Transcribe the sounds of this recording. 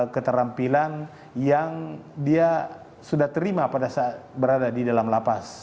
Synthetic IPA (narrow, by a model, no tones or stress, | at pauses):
kət̪əɾampilan | jaŋdia | sudaht̪əɾimapadasaːt̪̚bəɾadadidalamlapas